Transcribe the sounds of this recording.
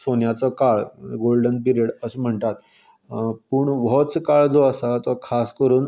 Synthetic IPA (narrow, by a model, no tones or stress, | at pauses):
sonjat͡sɔkaɭɡolɖənp̬iɾeɽəsəm̤əɳt̪at̪ | puːɳʋɔt͡skaɭd͡zoəsat̪ɔkʰaskəɾuːn